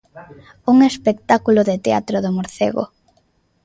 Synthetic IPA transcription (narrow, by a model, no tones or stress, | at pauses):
uŋespek̚t̪akuloðet̪ea̰t̪ɾoðomoɾθḛɣo̰